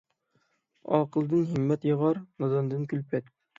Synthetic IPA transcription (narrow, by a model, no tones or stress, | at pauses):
ɒqɤ̆lˠd̪ɤnhimːæt̪jɤ̆ʁɑɾnɑzɑnd̪ɤnkʉlpæt̪̚